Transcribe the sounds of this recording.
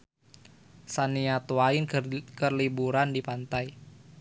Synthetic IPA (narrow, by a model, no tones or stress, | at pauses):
saniat̪uaɪnkərlibuɾandipant̪aj